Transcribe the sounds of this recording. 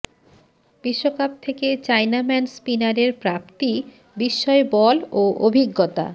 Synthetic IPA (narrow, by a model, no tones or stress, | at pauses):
biʃːokap̚t̪ʰeket͡ɕajnamɛnspinaɾeɾpɾap̚t̪i | biʃːɔebɔloʔobʱiɡːot̪a̰